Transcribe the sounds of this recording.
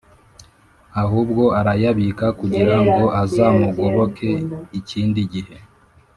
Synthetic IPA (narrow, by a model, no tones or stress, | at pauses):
aɦuːb̚ɡo̞aɾajaβikakuɟiɾaŋɡo̞ʔazaːmuɡoɾo̞kʰe̞iciːndiɟihe̞